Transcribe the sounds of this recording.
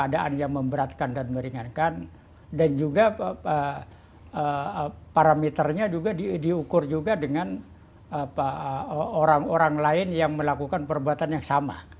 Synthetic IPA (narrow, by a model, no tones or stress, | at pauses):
adaʔa̰njaŋməmbəɾat̪̚kandanməɾiŋankan | dand͡ʒuɡaə | əpaɾamet̪ərɲad͡ʒuɡadidiukʊrd͡ʒuɡadəŋan | apaoɾaŋoɾaŋlaɪnjaŋməlakukanpərbuat̪anjaŋsama̰